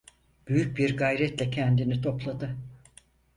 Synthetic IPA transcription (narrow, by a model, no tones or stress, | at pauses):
b̥yjyc̚biɾɡajɾɛt̪lʲɛcʰɛnd̪init̪ʰo̞plˠad̪ɯ